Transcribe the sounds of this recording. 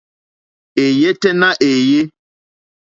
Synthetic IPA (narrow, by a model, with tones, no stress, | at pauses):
e˨je˦tɛ˦nã˦ʔe˨je˦